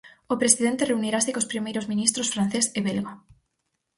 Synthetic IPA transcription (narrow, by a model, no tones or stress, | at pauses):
opɾesiðent̪ereuniɾasekospɾimejɾozmĩnist̪ɾosfɾan̟θeseβelɣo